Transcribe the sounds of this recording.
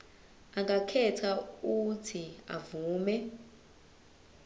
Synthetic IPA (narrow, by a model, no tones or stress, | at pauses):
aŋɡakʰɛtʰautʰia̰vuːmɛ